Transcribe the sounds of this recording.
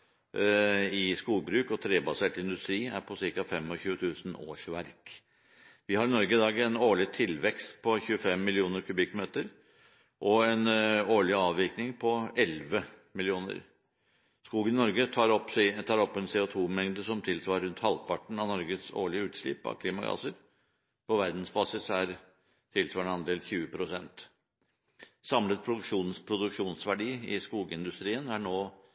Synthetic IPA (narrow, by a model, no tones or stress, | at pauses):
ɪskuːɡbɾʉːkɔt̪ʰɾeːbɑseːʈɪnd̪ʉst̪ɾiːæ̰ɾpʰɔsɪɾkɑfɛmːɔçʉːət̪ʰʉːsn̩o̰ːʂʋæɾk | ʋɪhɑɾɪnɔɾɡəd̪ɑːɡəɛnoːɭɪt̪ʰɪlʋɛkst̪pʰɔçʉːəfɛmːɪlɪuːnəɾkʰʉbɪkːmeːt̪əɾ | ʔɔɛnoːɭɪɑːʋʋɪːknɪŋpʰɔʔɛlʋəmɪlɪuːnə̰ɾ | skuːɡənɪnɔɾɡəɑɾɔpst̪ʰɑːɾɔpːɛnseːʊt̪ʰuːmɛŋd̪əsɔmt̪ʰɪlsʋɑːɾɾʉnt̪hɑlpɑʈɳ̩ɑnɔɾɡəso̰ːɭɪəʉːt̪ʂɭɪ̰pɑ̰kʰliːmɑɡɑ̰ːsəɾ | pʰɔʋæɾd̪n̩sbɑːsɪsæɾ | t̪ʰɪlsʋɑːɳəɑnd̪eːlçʉːəpʰɾʊsɛnt̪ | sɑmlət̪̚pʰɾʊd̪ʉkʂuːnspʰɾʊd̪ʉkʂuːnsʋæɖiːɪskuːɡəɪnd̪ʉst̪ɾiːənæɳoː